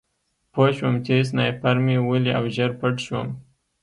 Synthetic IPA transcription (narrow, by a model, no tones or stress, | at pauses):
poʃwəmt͡ʃes̬najpaɾmiwəliawʒəɾpəʈʃwə̰m